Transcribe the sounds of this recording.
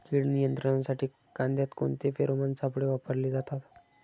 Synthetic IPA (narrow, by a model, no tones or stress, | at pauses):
kiːɽnijənt̪ɾəɳasaʈʰiː | kãnd̪jat̪koɳt̪efeɾomansapɽeʋapəɾliːd͡zat̪at̪